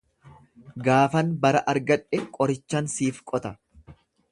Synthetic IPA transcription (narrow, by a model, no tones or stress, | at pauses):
ɡaːfɐnbɐɾɐʔɐɾɡɐᶑɛkʼɔɾɪt͡ʃːɐnsiːfkʼɔt̪ɐ